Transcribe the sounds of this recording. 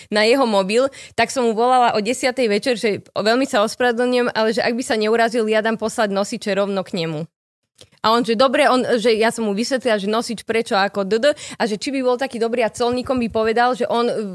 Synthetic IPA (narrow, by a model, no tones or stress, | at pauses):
najɛɦɔmɔbilt̪aksɔmɦuʋɔlalaʔɔɟɛsɪat̪ɛjʋɛt͡ʃɛɾʒɛʋɛlmisaɔspɾaɛd̪l̩ɲʊɛmalɛʒɛʔaɡ̚bisaɲɛuɾaziljad̪ampɔslaɟnɔsit͡ʃɛɾɔʊnɔkɲɛmu | ʔaɔnʒɛd̪ɔbɾɛɔnʒɛjasɔmɦuʋisʋɛt̪lilaʒɛnɔsit͡ʃpɾɛt͡ʃɔakɔd̪əd̪ʔaʒɛt͡ʃibibɔlˠt̪akiːd̪ɔbɾiːat͡sɔlɲiːkɔmbipɔʋɛd̪alʒɛʔɔn